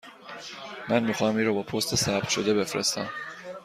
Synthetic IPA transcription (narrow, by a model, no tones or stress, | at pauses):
mænmixɒːhæmiːɾɔːbɒːpʰost̪ʰesæb̥t̪ʃod̪e̞befɾḛst̪æ̰m